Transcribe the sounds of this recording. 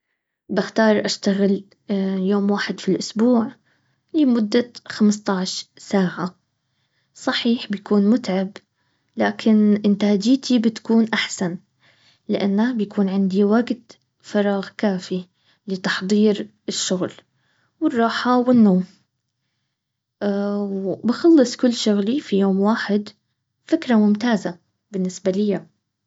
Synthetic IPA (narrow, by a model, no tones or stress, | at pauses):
bɪxt̪ɑːɾˤʔaʃt̪aɣɪl | joːmwaːħɪd̪filʔʊsbuːʕ | lɪmʊd̪ːaxamst̪ˤɑʕʃsaːʕa | sˤɑħiːħbjakuːnmʊt̪ʕab | laːkʰɪnʔɪnt̪aːd͡ʒiːt̪ʰibɪt̪kuːnʔaħsan | lɪʔanːabjakʰuːnʕɪnd̪iwaɡt̪ | fɑɾˤɑːɣkaːfi | lɪt̪ɑħd̪ˤiːɾ | ɪʃːʊɣl | wɪrˤːɑːħawɪnːoːm | wbɪxɑlːɨsˤkʊlːʃʊɣlifijoːmwaːħɪd̪ | fɪkɾamʊmt̪aːza | bɪnːɪsbalɪja